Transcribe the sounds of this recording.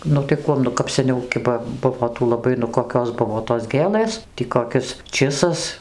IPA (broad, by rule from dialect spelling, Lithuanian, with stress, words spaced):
ˈnʊ tɐɪ ˈkuɔm nʊ kɐp sʲɛˈnʲɛʊ ˈkʲɪbɐ ˈbʊʋoː ˈtuː lˠɐˈbɐɪ nʊ koːˈkʲoːs ˈbʊʋoː toːs ˈɡʲeːlˠɘs tʲiː koːˈkʲɪs ˈt͡ʃʲɪsɐs